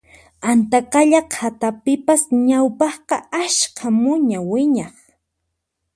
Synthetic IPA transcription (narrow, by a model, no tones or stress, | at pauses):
ant̪aqɑʎaqʰat̪apɪpasɲawpɑχqɑaʃkʰamʊɲawɪɲɑχ